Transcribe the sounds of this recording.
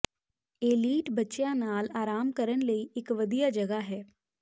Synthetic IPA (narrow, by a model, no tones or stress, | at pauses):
eːliːʈbətːʃjãnaːlaːɾaːmkəɾənləiɪkʋɐd̪ijad͡ʒɐɡaɦɛː